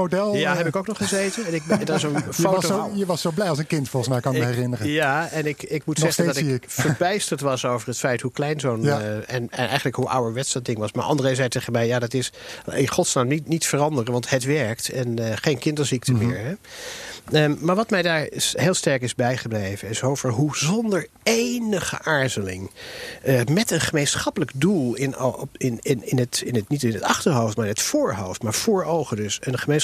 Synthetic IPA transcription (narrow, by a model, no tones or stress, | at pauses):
odɛlˠjaɦɛpɪkowknɔχəzejtənɛnɪdɔtɪsənfojəʋɑsowblɛjɑlˠs̬ənkɪntfɔlˠχəsmɛjkɑnəɛrɪnəɾəjaɛnɪkɪkmutsɛsəndɑtɪkfəɹbɛjstəɹtʋɑsowvərɦətfɛjthuklɛjnzownɛnɛnɛ̰jχənləkɦuʔa̰wəɹʋɛtsdɑdɪŋʋɑsma̰ɹʔɑ̰ndəreːszɛjtɛχəmɛjjaːdɑtɪsɪχɔtsnaːmninitfərɑndərənʋɑntɦətʋɛɹktɛnχejnkɪndəɹzik̚təmɪːɹɦɛ | əmaːɹʋɑtmɛjdaːɹɦeːlˠstɛɹkɪzbɛjχəblejvənɪsowvəɹɦuzɔndəɹ | ejnəχə̰ʔaːɹzəlɪ̰ŋəmɛtənχəmejnsχɑpələkdulˠɪnɪnɪnɪnətɪnətnitɪnətɑχtəɹɦowftmaːɹɪnɦətfʊːɹɦowftmaːɹv̥ʊːɹowχədɵsənχəmen